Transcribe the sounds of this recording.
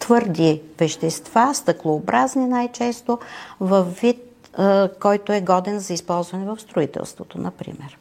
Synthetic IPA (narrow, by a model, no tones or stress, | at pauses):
t̪vɤɾd̪ivɛʃt̪ɛst̪vast̪əklˠoːbɾazninajt͡ʃɛst̪ovɐfːit̪̚ | kɔjt̪oɛɡɔd̪ɛnzɐispɔlˠzvɐnɛvɐfst̪ɾoit̪ɛ̰lˠst̪vot̪onɐpɾḭmɛɾ